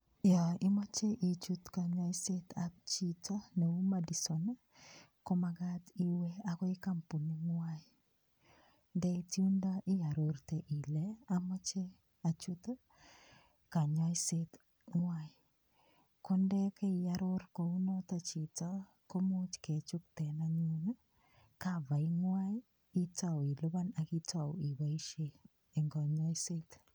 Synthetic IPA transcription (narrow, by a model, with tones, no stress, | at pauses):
jɔ˨ɪ˦mɔ˦t͡ʃe˦ʔi˨t͡ʃu˦tka˨ɲɔ˦i˦se˦t̪ap̚t͡ʃi˦tɔ˦na˨u˦ma˦di˨so˨na˦ | ko˦ma˨ɡati˦we˦a˨kɔ˦ɪ˦ka˦mpu˨ni˦ŋwa˦i | ndɛ˦i˦tju˦ndɔ˦ʔɪ˦ja˨ɾo˨ɾte˨ʔi˨lɛ˦a˦mɔ˦t͡ʃe˦ | a˨t͡ʃu˦t | ka˨ɲa˦i˦set | ŋwa˦i | kɔndɛkɛ˦i˨jaɾoɾkou˦nɔ˦tat͡ʃi˨ta˦ | ko˦mo˦t͡ʃkɛ˨t͡ʃu˦ktɛ˨naɲu˦na˦ | kava˨i˦ŋwai˦ | i˦ta˨wi˨lɔ˦βa˦na˨ki˦tʰa˨wi˨βa˨i˦ʃe | ɛ˨ŋɡɔ˨ɲɔ˦i˦se˦t